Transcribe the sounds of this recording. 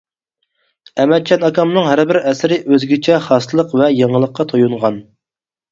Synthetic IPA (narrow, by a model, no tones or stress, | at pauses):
ɛmɛt͡ʃʰɛnɑkʰɑmnɨŋɦæɾbɪɾɛsɪɾɪʔøzɡʲit͡ʃʰɛχɑst̪ɨlˠəqvɛjɑŋəlˠəqʰːɑt̪ʰojuɴʁɑn